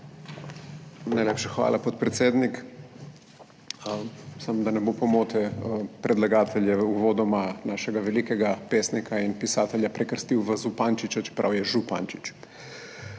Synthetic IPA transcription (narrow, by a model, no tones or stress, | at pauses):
najlʲepʃaxʋa̰ːlʔapot̪̚pɾɛt̪sjeːd̪nik | samd̪anɛbopomoːt̪ɛpɾɛd̪laɡaːt̪ʰɛʎjɛuʋoːd̪ɔmanaːʃɛɡaʋɛlikɛɡapeːsnikʰainpisaːt̪ɛʎʲjapɾɛkəɾst̪iwʋəzupant͡ʃit͡ʃat͡ʃɛ̥pɾa̰wjɛʒupa̰nt͡ʃit͡ʃ